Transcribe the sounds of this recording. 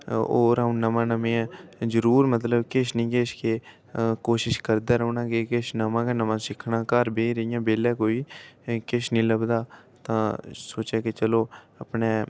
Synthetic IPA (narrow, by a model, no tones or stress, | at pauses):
o̰ːɾəũːnəmãːnəmẽːɛ̃ːd͡ʒəɾuːɾmət̪̬ləbkɪʃnĩːkeːʃkeː | koːʃɪʃkəɾd̪aːɾəuːnãːɡeːkɪʃnəmãːkenəmãːsɪkʰnãːkəɾbeːɾəijãːbeːlɛːkoːiːkɪʃnĩːləbd̪aː | t̪ãːsoːt͡ʃɛːkɪt͡ʃəloː | əpneː